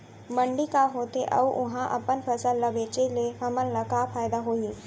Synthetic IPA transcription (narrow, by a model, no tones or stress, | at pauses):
mə̃ɳɖikaɦoːt̪eʔɐ̰ʋʔʊɦãʔɐ̰pənpʰɐsəlːɐbeːt͡ʃeleɦɐmənlɐkapʰaːjd̪aɦoːiː